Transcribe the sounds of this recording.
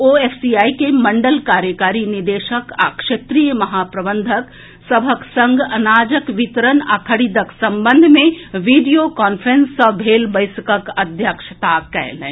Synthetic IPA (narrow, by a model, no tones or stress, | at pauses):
oːeːfsiaːikemɐ̃ɳɖəlkaːɾjəkaːɾinid̪eːʃəka̰ːkʃet̪ɾijəmɐɦaːpɾɐbə̃nd̪ʱək | sɐbʱəksɐ̃ŋɡɐnaːd͡ʒəkʋit̪əɾəna̰kʰəɽid̪əksɐ̃mbə̃nd̪ʱmẽʋiːɖijokɔːnfʰɾẽnsəbʱeːlbəɪskəkɐd̪ʱjəkʃə̥t̪akɛ̰lḛ̃